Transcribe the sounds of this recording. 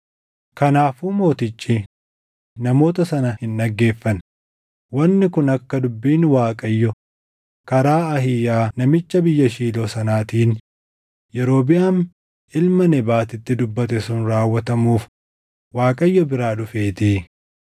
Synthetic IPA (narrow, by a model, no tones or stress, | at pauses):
kɐnaːfuːmo̞ːt̪ɪt͡ʃʼːi | nɐmo̞ːt̪ɐsɐnɐhɪnᶑɐɡːe̞ːfːɐn | wɐnːɪkʊnɐkːɐd̪ʊbːiːnwaːkʼɐjːɔ | kɐɾaːɐɦɪjaːnɐmɪt͡ʃːɐbɪjːɐʃiːloːsɐnaːt̪iːn | jɛɾo̞ːbɪjaːn | ʔɪlmɐnɛbaːt̪ɪt̪ːɪd̪ʊbːɐt̪ɛsʊnɾaːwːɐt̪ɐmuːf | waːkʼɐjːɔbɪɾaːᶑʊfeːt̪iː